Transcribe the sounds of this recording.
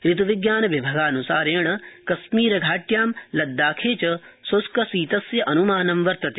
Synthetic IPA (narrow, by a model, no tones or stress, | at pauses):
ɾit̪uʋiɡjaːnɐʋibʱɐɡaːnusaːɾeːɳ̃ɐkɐsmiːɾɐɡʱaːʈjaːmlɐd̪ːaːkʰeːt͡ʃɐsoskɐsiːt̪ɐsjɐʔɐnumaːnɐmʋɐɾt̪ɐt̪e